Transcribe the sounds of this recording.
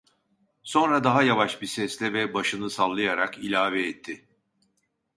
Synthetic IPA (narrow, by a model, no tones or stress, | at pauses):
so̞nɾad̪aɦajavaʃbisɛslʲɛvɛbaʃɯnɯsalˠːɯjaɾakilʲaːvɛːt̪ʰːɪ